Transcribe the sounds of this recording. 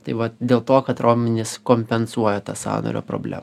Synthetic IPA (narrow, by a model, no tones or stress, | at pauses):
t̪ɐɪʋɐt̪d̪ʲeːlˠt̪oːkɐt̪ɾoːmʲɪnʲɪskoːmʲpʲɛnsuɔjoːt̪ɑsɑ̰ːno̰ːɾʲo̰ːpɾo̰ːbʲlʲæ̰ːm